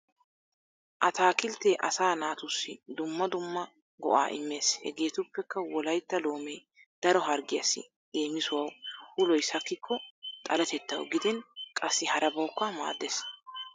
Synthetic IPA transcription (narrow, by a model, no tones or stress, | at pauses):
ʔɐt̪aːkɪlt̪eːʔɐ̰saːnaːt̪ʊsːɪd̪ʊmːɐd̪ʊmːɐ | ɡɔ̰ʔa̰ːʔɪ̰mːe̞ːshɛ̰ɡe̞ːt̪ʊpːɛkːɐwɔlɐjt̪ːɐlo̞ːmeː | d̪̥ɐɾɔɦɐɾɡɪjɐsːɪ̰ | eːmɪsʊwɐwhʊlɔjsɐkːɪkʰːɔt̪ʼɐlɐt̪ɛt̪ːɐ̰wɡɪd̪ɪnkʼɐsːɪhɐɾɐbɐwʊkːɐma̰ːd̪ːes